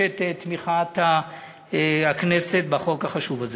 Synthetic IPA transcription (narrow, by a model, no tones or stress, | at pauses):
et̪et̪miχat̪a | akneset̪̚baχo̞khaχaʃuvaze